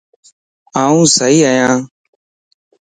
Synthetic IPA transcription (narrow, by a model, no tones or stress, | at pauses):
aːũːsəɦiːəjãː